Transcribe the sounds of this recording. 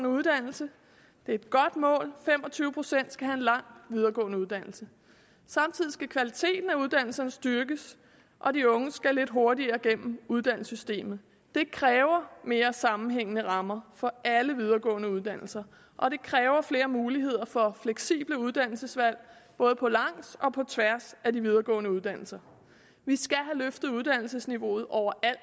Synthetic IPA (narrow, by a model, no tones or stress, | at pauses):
nəuðˠd̥æn̰l̩sə | d̥e̝ɐe̝d̥̚ɡ̥ɒ̽d̥mɔ̰̽ːlfem̰ɒ̽t͡sʰyːʊəpʰʁo̝sen̰d̥sɡ̥æhæenlɑ̈ŋ̰̥ʋið̞ˠɐɡ̥ɔ̰̽ːnəuðˠd̥æn̰l̩sə | sɑ̈mt͡sʰið̞̰ˠisɡ̥ækʰʋælit͡sʰe̝̰ːd̥n̩æuð̞ˠd̥æn̰l̩sɐnəsd̥yɐɡ̥əs | ʔɒ̽diɔ̽ŋəsɡ̥æle̝d̥ɦo̝ɐdiɐːɡ̥em̰m̩uð̞ˠd̥æn̰l̩sysd̥e̝̰ːmð̩ˠ | d̥e̝kʰʁɛːʊɐme̝ːɐsɑ̈mn̩ɦeŋ̰ənəʁɑ̈mɐfɒ̽ʔæləʋið̞ˠɐɡ̥ɔ̰̽ːnəuð̞ˠd̥æn̰l̩sɐ | ʔɒ̽ɾ̥e̝kʰʁɛːʊɐfle̝ːɐmuːliɦe̝ð̞̰ˠɐfɒ̽fleɡ̥sḭːb̥ləuð̞ˠd̥æn̰l̩səsʋæl̰b̥ɔ̽ːð̞ˠəpʰɒ̽lɑ̈ŋ̰sɒ̽pʰɒ̽t͡sʰʋæɐsædiʋið̞ˠɐɡ̥ɔ̰̽ːnəuðˠd̥æn̰l̩sɐ | ʋisɡ̥æɦæløfd̥ð̞̩ˠuð̞ˠd̥æn̰l̩səsniʋo̝̰ːð̞̩ˠʔɒʊ̰ɐʔæl̰d̥